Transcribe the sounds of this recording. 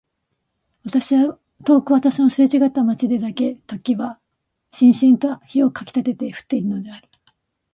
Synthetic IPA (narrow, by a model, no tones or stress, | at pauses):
βat̪aɕia | t̪o̞ːkɯβat̪aɕino̞sɨɾet͡ɕiɡat̪ːamat͡ɕid̪e̞d̪ake̞t̪o̞kʲiβa | ɕĩɰ̃ɕĩnt̪oaçio̞kakʲi̥t̪at̪e̞t̪e̞ɸɯ̟̥t̪ːe̞iɾɯno̞d̪e̞aɾɯ̟